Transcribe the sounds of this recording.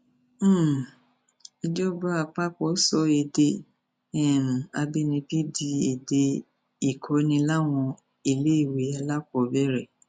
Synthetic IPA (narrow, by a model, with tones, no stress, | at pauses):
i˧d͡ʒɔ˦ba˦a˨k͡pa˦k͡pɔ˨˦sɔ˧e˨de˧ | ɛ˦˨m̩̃˨a˧bi˦nĩ˧bi˦di˧e˨de˧ | i˨kʰɔ˨˦nĩ˧la˦w̃ɔ̃˧ | i˨le˦i˦˨we˨˦a˧la˦kɔ˨bɛ˦ɾɛ˦˨